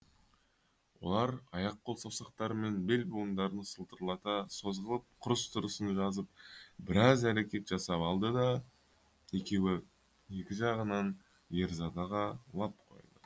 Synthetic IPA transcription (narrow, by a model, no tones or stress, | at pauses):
wo̰lˠɑɾɑjɑq̚ʰːo̞lˠsɑwsɑq̚t̪ɑɾəme̞nbe̞lʲbuənd̪ɑɾənəsəlˠt̪əɾlˠɑt̪ɑso̞zʁəlˠəp̚qʰʊɾəst̪ʰʊɾəsənʒɑzəp̚bɪɾɑzæɾe̞kʲe̞t̪ʒ̥ɑsɑpɑlˠd̪əd̪ɑ | je̞kʲe̞wɪ | je̞kʲɪʒɑʁənɑn | jeɾzɑd̪ɑʁɑlˠɑp̚qʰo̞̰jd̪ə